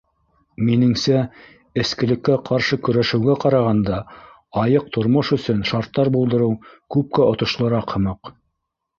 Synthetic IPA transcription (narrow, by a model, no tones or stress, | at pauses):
minɘ̆ŋsæ | ɘ̆skɘ̆lɘ̆kːæqʰɑɾʃɤkɵ̆ɾæʃɘ̆wɡæqɑɾɑʁɑnd̪ɑ | ɑjɤq̚t̪ʰŏɾmoʃɵ̆sɵnʃɑɾt̪ːɑɾbulˠd̪ɤ̆ɾɤwkʉp̚kæʔŏt̪ŏʃlˠɤ̆ɾɑqhɤ̆mɤq